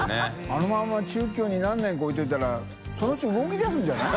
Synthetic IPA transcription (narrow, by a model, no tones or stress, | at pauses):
ano̞mãmːat͡ɕɨːk̬ʲo̞ːɲ̟inãnːẽ̞ŋkaoit̪oit̪aɾa | so̞noɯ̥t͡ɕiɯɡo̞k̬ʲid̪asɨ̃ɲd͡ʑana